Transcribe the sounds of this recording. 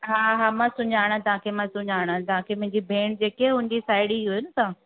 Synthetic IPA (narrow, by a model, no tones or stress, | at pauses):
ɦaːɦaːmãsʊɲaːɽ̃t̪ɐɦãkʰemãsʊɲaːɽ̃t̪ɐʋãkʰemʊ̃ɦɪ̃ɲd͡ʑibʱeːɽ̃d͡ʑeːkeɦʊ̃ɪ̃n̆d͡ʑisaːɪɽiɦujʊnɪ̆sãː